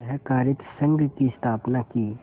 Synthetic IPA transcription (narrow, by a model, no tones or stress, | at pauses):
ɦɛkaːɾɪt̪sə̃ŋɡkist̪ʰaːpnakiː